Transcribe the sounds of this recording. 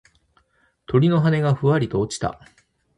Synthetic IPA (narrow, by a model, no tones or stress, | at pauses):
t̪ʰo̞ɾʲino̞ɦane̞ɡaɸɯ̟βaɾʲit̪o̞ːt͡ɕi̥t̪a̰